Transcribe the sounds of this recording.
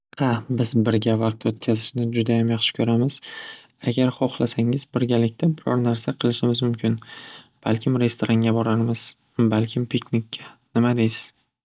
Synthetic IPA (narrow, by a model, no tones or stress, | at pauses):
habɪzbɪɾɡʲavɑq̚t̪ʰot̪̚kʲʰazɪʃnɪd͡ʒʊd̪ajamjɑχʃɪ̥kʰʲɵɾamɪz̥ | aɡʲaɾχɒχlˠasaŋɪzbɪɾɡʲalɪkʲt̪ʰabɪɾɒ̰ɾnaɾsaqʰɨlˠɪʃɪmɪzmʊmkʲʰɪnb̥a̰lkʲʰɪmɾe̞st̪oɾaŋɡʲabɒɾaɾmɪz̥ | balkʲʰɪmpʰiknikʲʰːanɪmad̪ejsɪ̥z̥